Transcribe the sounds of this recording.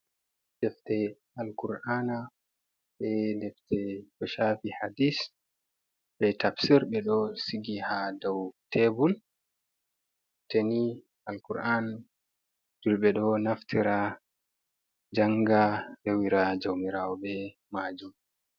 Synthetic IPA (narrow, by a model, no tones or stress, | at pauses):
dɛftɛ | alkuɾʔana | ɓɛdɛftʰɛkɔʃafihadis | ɓɛtabsiɾɓɛɗɔsiɡihadawtʰebul | teni | alkuɾʔan | d͡ʒulɓɛɗɔnaftʰiɾa | d͡ʒaŋɡafewiɾad͡ʒowmiɾawɔɓɛ | maːd͡ʒum